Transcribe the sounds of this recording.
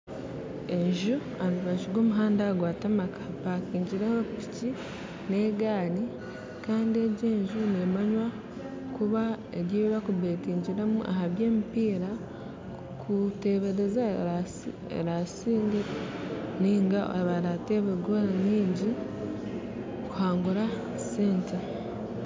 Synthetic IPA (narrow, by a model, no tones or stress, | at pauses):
e̞ɲʒu | aniβaʒiɡo̞ːmuɦaːndaɡwaːtamakḁpaːkiːɲɟiɾehopi̥ci | ne̞ːɡaːni | kaːndie̞ɟe̞ːɲʒunemaɲwa | kuβa | eɾjeβiβakuβekiːɲɟiɾemuʔa̰haβje̞ːmipiːɾa | kʰute̞βe̞ɾe̞za | ḛɾasiːɲɡe | niːŋɡao̰βaɾateβeɡoɾaɲiːɲɟi | kuhaːŋɡuɾa | seːnte